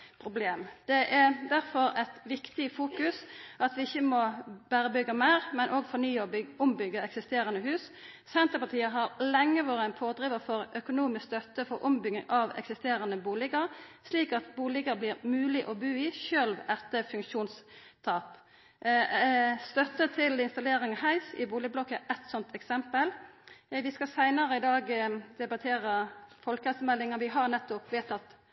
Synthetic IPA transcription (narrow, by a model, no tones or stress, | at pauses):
pʰɾʊbleːmd̪̥ɛʔæɾd̪æɾfɔɾɛt̪ʋɪkt̪ɪfuːkʉsʔɑt̪ʋɪɪçːəmɔbæːɾəbʏɡːəmæɪʁmɛnʔoːɡfɔnyːɔbɪʊmbʏɡːəɛksɪst̪eːɾɑnəhʉːs | sɛnt̪əɾpɑt̪ʰiːəɦɑɾlɛŋːəʋoːɾəɛnpʰoːd̪ʁiːʋəfɔɾœkʊnuːmɪsst̪œt̪ːəfɔɾʔʊmbʏɡɪŋʔɑʋɛ̰ksɪst̪eːɾɑnəbuːlɪɡəɾsliːkɑt̪buːlɪɡəblɪːʁmʉːlɪʔɔbʉːɪʃøːlʋæt̪əfʉŋkʃuːnst̪ʰɑːp | st̪œt̪ːət̪ʰɪlɪnst̪ɑleːɾɪŋɑhæɪsɪ̰buːlɪɡblɔkːəʔɛt̪sɔnt̪ʰɛksɛmpəlʋɪskɑsæɪnɑɾəɪd̪ɑːɡd̪̥ɛbɑt̪ʰeːɾəfɔlkɛsəmɛld̪ɪŋɑnʋɪɦɑʁnɛt̪ːʊpʋeːt̪ɑt̪